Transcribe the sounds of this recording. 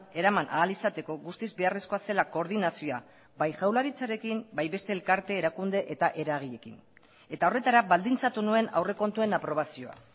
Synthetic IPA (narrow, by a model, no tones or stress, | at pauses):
e̞ɾamanʔa̰ːlisat̪e̞ko̞ɣust̪izbe̞are̞sko̞ase̞lako̞ɾð̞inasio̞a | bajʝawlaɾit͡saɾe̞kimbajβe̞st̪e̞ːlkaɾt̪e̞ːɾakund̪e̞ʔe̞t̪aʔe̞ɾaɣ̞iʎe̞kḭn | e̞t̪ao̞re̞t̪aɾaβald̪int͡sat̪unue̞nawre̞ko̞nt̪ue̞napɾo̞β̞asio̞a̰